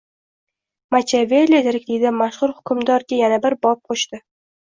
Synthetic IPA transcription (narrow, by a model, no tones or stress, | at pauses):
mat͡ʃʰavelʲːed̪eɾakʲd̪ejd̪ɪmaʃχʊɾhʊ̥kʲʰʊmd̪ɒɾɡʲajanabɪɾbɒp̚qʰoʃt̪ɪ